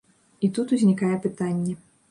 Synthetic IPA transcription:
it̪ut̪uzʲnʲikajɛpɨt̪anʲːɛ

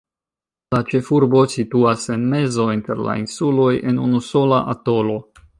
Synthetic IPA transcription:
lat͡ʃe̞fuɾbo̞situase̞nme̞zo̞inte̞ɾla̰insulo̞jʔe̞nunuso̞laʔato̞lo̞

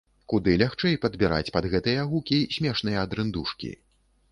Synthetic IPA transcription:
kud̪ɨlʲaxt͡ʂɛjpɐd̪bʲiɾa̰t͡sʲpɐd̪ɣɛt̪ɨjɐɣukʲisʲmʲɛʂnɨjɐːd̪ɾɨnd̪uʂkʲḭ

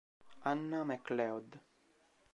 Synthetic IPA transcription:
anːamɛklɛɔd̪

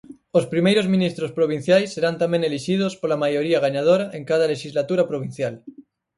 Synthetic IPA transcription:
ospɾimejɾozmĩnist̪ɾospɾoβ̞in̟θjajsːeɾant̪amẽŋeliʃið̞ospolamajoɾiaɣ̞aɲað̞oɾaʔeŋkað̞aleʃizlat̪uɾapɾoβ̞in̟θjal

